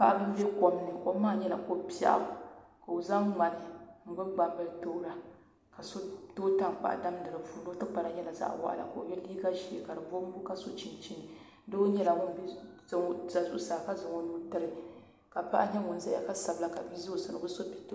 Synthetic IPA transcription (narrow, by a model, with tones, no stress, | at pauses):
pa˦ʔa˦bɨ˦m˦bɛ˦ko˨m˦nɨ˨ko˦maː˦ɲɛ˦la̰˨ko˦pi˦a̰˦ʔa̰˨ | ka˨o˨za˦ŋma˨lɨ˨ŋ̩˦ɡ͡bʊ˦ɡ͡ba˨bɨ˦lto˦ɾa˦ | ka˨so˦toː˦ta˦ŋk͡pa̰˨ʔda˦mdɨ˨ɾɨ˨vu˨no˦tɨ˦k͡pa˨ɾa˨ɲɛ˦la˨za̰˦ʔwa̰˦ʔa̰˨la̰˨ka˨o̰˨ɲɛ˦liː˦ɡa˦ʒi˦˨e˨ka˨dɨ˨vo˦m̩˦bʊ˦ka˦so˦t͡ʃi˨nt͡ʃi˦nɨ˨ | dɨ˦o˦ɲɛ˦la˨ŋʊ˦n˦bzŋ˦za˨zu˦ʔsaː˨ka˦zɨ˨ŋo˦nuː˦tɨ˦ɾɨ˦ | ka˨pa˦ʔa̰˦ɲɛ˦ŋʊ˨n˨za˨ja̰˨ka˦sa˨bla˨˦ka˨bi˦zo˦˨sɨ˨nɨ˨bɨ˦so˦pi̥˦t